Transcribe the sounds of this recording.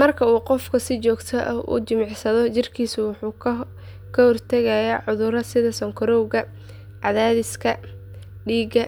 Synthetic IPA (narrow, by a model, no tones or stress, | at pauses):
mɐrkʰɐuːqɔfkʰɐsɪt͡ʃɔːɡt̪ʰɔʔɐ̰ṵt͡ʃɪmɪʕsɐðɔt͡ʃɪrkʰiːsʊwɑħuː | kʰɐhɔrt̪ʰɐɣɐjɛʕʊðʊɾɐsɪðɐsɔŋkʰɔɾɔwɣɐ | ʕɑðaːðɪskʰɐ | ɖiːɡɐ